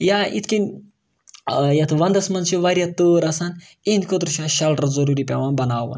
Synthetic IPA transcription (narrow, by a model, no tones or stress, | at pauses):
jaʔḭt̪ʰkʲin | jɐt̪ʰʋɐnd̪ɐsmɐnt͡ʃiʋaɾʲjat̪ːoːɾɐsaːn | enʲkʰʲod̪ɾuʃaʃɐlʈɐzɐɾuɾipʲaʋanbɐnaːʋṵn